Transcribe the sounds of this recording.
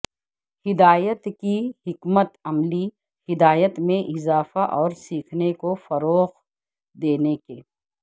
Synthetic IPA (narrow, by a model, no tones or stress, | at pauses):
hɪd̪aːjət̪kihɪkmət̪ɐmli | hɪd̪aːjət̪mẽʔɪzaːfaʔɔːɾsiːkʰnekofɐɾoːɣ | d̪eːnekeː